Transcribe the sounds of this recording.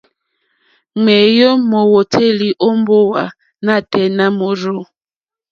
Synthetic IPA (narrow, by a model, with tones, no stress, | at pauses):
ŋ͡mɛ˨jo˦mɔ˨wo˨tʰe˦li˨ʔo˦m˦bo˦wa˨ | na˦˨tɛ˨na˦mo˨ɾo˦˨